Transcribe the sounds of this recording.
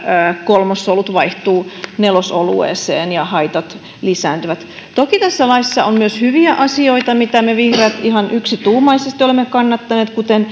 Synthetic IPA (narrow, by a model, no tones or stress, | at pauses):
əːkolmosːolut̪ʋɑiht̪uːnelosolṵḛːsḛːnjɑhɑit̪ɑt̪ | lisæːnt̪yʋæt̪ | t̪okit̪æsːælɑisːɑommyøshyʋiæʔɑsioit̪ɑmit̪æmeʋihreːt̪ihɑnʔyksit̪uːmɑisest̪iolemːekɑnːɑt̪ːɑneːt̪kut̪en